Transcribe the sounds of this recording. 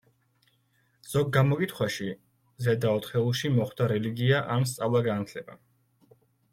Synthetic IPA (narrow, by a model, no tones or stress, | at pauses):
z̥ɔɡːamɔkʼit̪ʰχwaʃi | zɛd̪aɔt̪χɛuʃimɔχd̪aɾɛliɡiaʔams̬t̪sʼavlˠaɡanat̪ʰlɛba̰